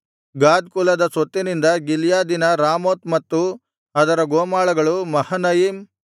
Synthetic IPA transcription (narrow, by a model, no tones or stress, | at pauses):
ɡaːd̪̚kulɐd̪ɐsot̪ːinind̪ɐɡiljaːd̪inɐɾaːmoːt̪mɐt̪ːu | ɐd̪ɐɾɐɡoːmaːɭɐɡɐɭumɐhɐnɐjim